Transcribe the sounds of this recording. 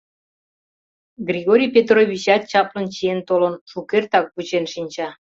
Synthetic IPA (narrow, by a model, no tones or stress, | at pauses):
ɡrʲiɣoɾʲijpʲet̪̬roβʲit͡ɕɑt̪̚t͡ɕɑplə̆nt͡ɕient̪olə̆nʃukert̪ɑk̚put͡ɕenʃinʲt͡ɕɑ